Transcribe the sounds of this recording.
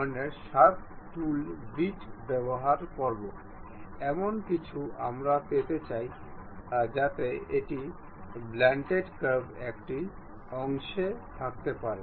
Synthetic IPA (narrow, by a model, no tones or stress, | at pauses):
neɾʃat̪ | ʈulbiʈbɛboɦaɾkɔɾbo | ɛmonkit͡ɕʰua̰mɾapet̪et͡ɕaj | d͡ʑat̪eeʈi | blɛɳʈeʈkəbɛkʈi | ɔŋʃet̪ʰak̚t̪epaɾe